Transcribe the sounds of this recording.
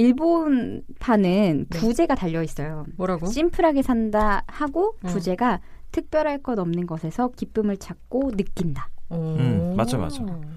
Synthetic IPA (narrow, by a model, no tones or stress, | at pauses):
iɭbon | pʰanɯnpud͡ʑe̞ɡataʎːʌis͈ʌjoɾaɡoɕ͈impʰɯɾɦaɡe̞sʰandahaɡopud͡ʑe̞ɡa | tʰɯk̚p͈jʌɾɦaɭk͈ʌnʌmnɯnɡʌsʰe̞sʰʌkip͈ɯmɯɭt͡ɕʰak̚k͈onɯk͈indaɯmad͡ʑoma̰d͡ʑo